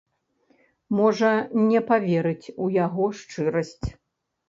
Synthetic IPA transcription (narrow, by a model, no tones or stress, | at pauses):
mɔʐɐnʲɛpavʲɛɾɨt͡sʲujaɣɔʂt͡ʂɨɾɐsʲt͡sʲ